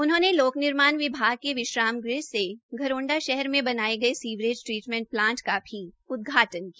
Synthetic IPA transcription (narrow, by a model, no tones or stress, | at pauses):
ʊnɦõːneloːknɪɾmaːnʋɪbʱaːɡ̚keʋɪʃɾaːmɡɾɪseɡʱɐɾõːɳɖaʃɛɦɛɾmẽbɐnaːeɡɐesiːʋɾeːd͡ʒʈɾiːʈmɛ̃ɳʈ̚plãːɳʈkabʱi | ʊd̪̚ɡʱaːʈənkiaː